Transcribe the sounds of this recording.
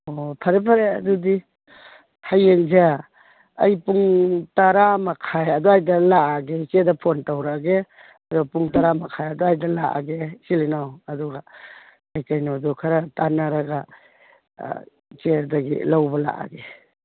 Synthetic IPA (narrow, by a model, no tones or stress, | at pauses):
opʰɐɾepʰaɾeɐdudi | hajeŋza | ɐ̰jpuŋtaɾamakʰajɐdɔajdɐlaʔaɡet͡ʃedɐpʰontawɾaɡe | ɐdɔpuŋtaɾamakʰajadɔajdɐlaʔa̰ɡesilinawɐdɔɡa | ajkajnɔdɔkʰaɾatanaɾaɡa | t͡ʃedaɡḭlawbɐla̰ʔa̰ɡe